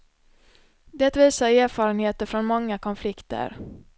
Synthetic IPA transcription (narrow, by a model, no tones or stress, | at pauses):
d̪ɛt̪viːsaɾːɾfɑːɾənheːt̪əɾfɾɔnmɔŋːakʰɔnflɪkt̪ə̰ɾ